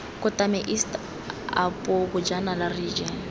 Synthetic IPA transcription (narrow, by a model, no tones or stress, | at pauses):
kʼʊtʼamɛʔistʼ | a̰pʼʊbʊd͡ʒanalarid͡ʒɛn